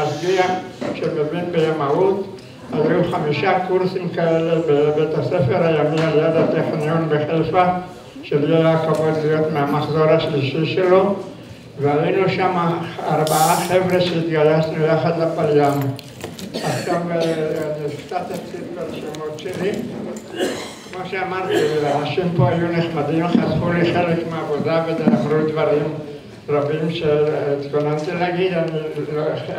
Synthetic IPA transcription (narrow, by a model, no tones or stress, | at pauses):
asɡiaʃebeminbejamaut̪ | ajejuχamiʃakuʁsimkaelebebet̪asefeɾhajamimaljad̪at̪eχnijonbeχelfa | ʃeljadakavod̪lijo̞t̪meamaχzoɾaʃliʃiʃelo̞ | veajejnuʃamaːʁbaaχevʁeʃeit̪ɡalasnujaχad̪lapaljam | askambeanist̪at̪eχt̪it̪peɾʃemoɾt͡ʃiɾim | noʃeamaɾt̪elaaʃimpoajuneχmad̪inoxatχuliχelekmabod̪abed̪aamɾut̪baɾim | rabimʃet̪konant̪elaɡid̪an